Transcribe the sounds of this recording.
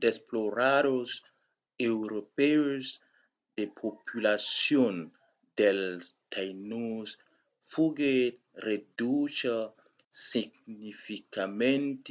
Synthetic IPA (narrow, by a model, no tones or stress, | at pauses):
d̪esploɾados | ewɾopeoz | d̪epʰopʰylasjon | d̪elt̪ʰajnus | fuɡe | redut͡ʃa | siɡnifikamẽnt̪